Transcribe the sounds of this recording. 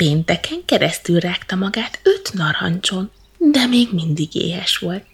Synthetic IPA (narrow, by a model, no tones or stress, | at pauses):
peːnt̪ɛkɛŋkɛɾɛst̪ylraːkt̪ɒmɒɡaːt̪øt̪nɒɾɒ̰nt͡ʃon | d̪ɛmeːɡmind̪iɡḛːɦɛʃʋo̞lt̪